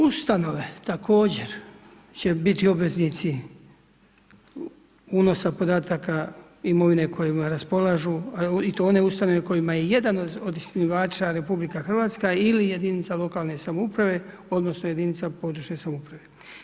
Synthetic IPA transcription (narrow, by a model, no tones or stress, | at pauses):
ust̪ano̞ʋe̞t̪akʰo̞ːd͡ʑe̞ɾ | t͡ɕe̞bit̪io̞bʋe̞znit̪si | uːno̞sapo̞d̪aːt̪aka | imo̞ʋine̞kʰo̞jimaɾaspo̞laʒuit̪oone̞ust̪ano̞ʋe̞ko̞jimajeje̞d̪anood̪isniʋaːt͡ʃaɾe̞publikaxrʋaːt̪skailije̞d̪init̪salˠo̞kalˠne̞samoupɾaʋe̞ | o̞d̪no̞snoje̞d̪init̪sapo̞d̪ɾuʃɲe̞samoupɾaʋe̞